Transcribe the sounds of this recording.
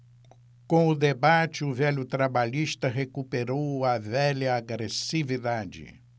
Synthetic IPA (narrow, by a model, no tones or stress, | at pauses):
kõw̃ʊd̪ebat͡ʃɪʊvɛʎʊt̪ɾabaʎiʃt̪ɐɦekupeɾowɐvɛʎɐaɡɾesivid̪ad͡ʒɪ̰